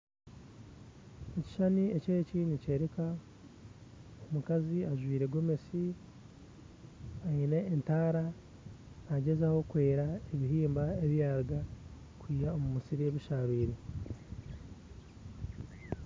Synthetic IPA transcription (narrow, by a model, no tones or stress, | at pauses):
eci̥ʃanie̞ce̞ːcinice̞ːɾeka | omukaziaʒwiːɾe̞ɡwomesi | aine̞ːntaːɾa | naɟe̞zaho̞kwe̞ːɾaeβiɦiːmbae̞βjaːɾɡa | kwiːjao̞mumusiɾie̞βiʃaːβiːɾe